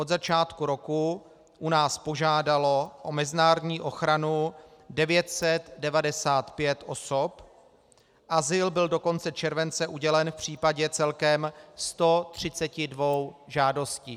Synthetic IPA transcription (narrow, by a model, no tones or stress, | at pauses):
ʔodzat͡ʃaːt̪kuɾo̞ku | ʔunaːspo̞ʒaːdalo̞ʔo̞mɛzɪnaːɾodɲiːʔo̞xɾanu | dɛvjɛt̪sɛt̪dɛvadɛsaːt̪pjɛt̪ʔo̞sop | ʔazɪlbɪldoko̞nt͡sɛt͡ʃɛɾvɛnt͡sɛʔuɟɛlɛnfpr̝̥iːpaɟɛt͡sɛlkɛmst̪o̞t̪r̝̥ɪt͡sɛcɪdvo̞wʒaːdo̞sciː